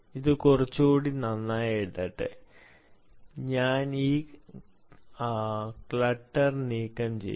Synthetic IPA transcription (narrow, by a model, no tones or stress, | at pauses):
iðɨkurɐt͡ɕːuuːɽinɐnːaːjeɽt̪ːɐʈːɨ̰ | ɲaːniː | klɐʈːɐrniːkːɐmt͡ɕḛj